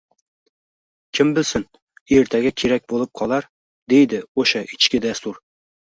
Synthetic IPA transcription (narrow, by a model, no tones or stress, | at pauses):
kʲʰɪmbɪlsɪn | eɾt̪ʰæɡʲakʲʰeɾak̚ʲbolˠɪp̚qʰɒlˠaɾ | d̪e̞jd̪ɪoʃaʔɪt͡ʃkʲɪd̪ast̪uɾ